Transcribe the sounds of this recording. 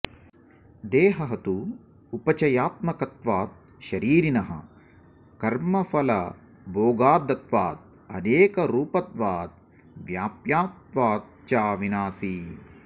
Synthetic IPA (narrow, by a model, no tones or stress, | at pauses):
d̪eːɦɐɦɐt̪uː | pɐt͡ʃɐjaːt̪̚mɐkɐt̪ʋaːt̪̚ | ʃɐɾiːɾinɐɦɐ̰ | kɐɾmɐfɐlɐ̰ | boːɡaːd̪ɐt̪ʋaːt̪̚ | ɐneːkɐɾuːpɐt̪ʋaːt̪̚ | ʋjaːpjaːt̪̚ʋaːt̪ | t͡ʃaːʋinaːsi